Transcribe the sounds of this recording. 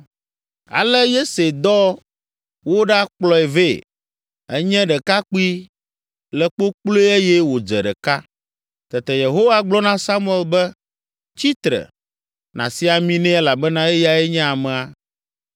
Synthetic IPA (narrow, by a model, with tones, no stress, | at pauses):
a̰˨lɛ˦je˦se˨d̪ɔ˦ | wo˦ɖa˦k͡plɔ˦ɛ˨ve˦˨ | ɛ˦ɲɛ̃˦ɖɛ˨ka˦k͡pu˦i˦ | lɛ˨k͡po˦k͡plo˦e˦jɛ˦wo˨d͡ʒɛ˨ɖɛ̰˨ka˦ | t̪ɛ˨t̪ɛ˨je˨ɦo˦wa˦ɡ͡blɔ˦nã˦sa˦mu˦ɛ˨lbɛ˦ | t͡ɕi˦t̪ɾɛ̰˨ | nã̰˨si˦a˨mĩ˦nɛ̃˦ɛ˦la˨bɛ˦nã˦e˦ja˨ɛ˦ɲɛ̃˦a˨mɛ̃˨a˨